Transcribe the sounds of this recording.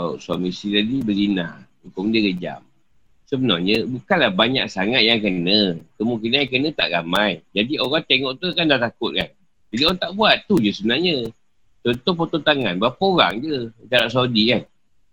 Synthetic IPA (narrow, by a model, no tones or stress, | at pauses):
asamisit̪adibəlina̰ | ukʊmdəɡəd͡ʒa̰m | səbənɔhɲəbukanlahbaɲa̰ksaŋat̪̚jaŋkənəkəmũkinanjaŋk̬ənət̪a̰ʔɣamajd͡ʒadiʔoɾaŋt̪eŋɔʔt̪ukandaht̪akʊt̪̚ka̰n | d͡ʒadioant̪aʔbuat̪ːud͡ʒəsəbənaɦɲə | t͡ʃɔnt̪ohpot̪ot̪aŋanbapəoɾa̰ŋd͡ʒət͡ʃaɾaʔs̬adikan